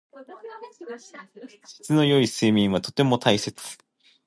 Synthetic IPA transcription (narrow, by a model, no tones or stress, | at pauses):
si̥t͡sɨno̞jo̞iseːmʲĩɰ̃βat̪o̞t̪e̞mo̞t̪ʰaise̞t͡sɨ̥